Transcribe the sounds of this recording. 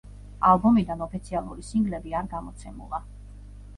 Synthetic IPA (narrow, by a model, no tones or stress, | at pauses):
a̰lˠbɔmid̪anɔpʰit̪sʰialˠuɾisiŋɡlɛbiaɾɡamɔt̪sʰɛmṵlˠa